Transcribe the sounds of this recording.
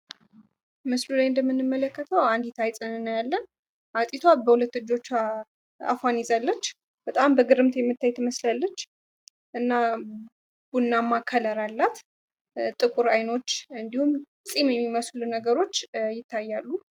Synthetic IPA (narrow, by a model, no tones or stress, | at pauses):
mɨslulajɨnd̪əmːɨnːɨmːələkʰːət̪ʰəwand̪it̪ʰajsʼɨnɨnːəjalːən | ʔat̪ʼit̪ʰabəhulət̪ːɨd͡ʒːo̞t͡ʃː | a̰fanizalːət͡ʃː | b̥ət̪ʼambəɡɨɾɨmt̪jɛmːɨt̪ʰːajt̪ʰəməslalːət͡ʃː | ʔɨnːa | b̥unːamːakʰːələɾalːat̪ | t̪ʼɨkʼuɾajno̞t͡ʃːɨnd̪ihum | sʼimjɛmːiməslunəɡəɾo̞t͡ʃːjɪt̪ʰːajːalːu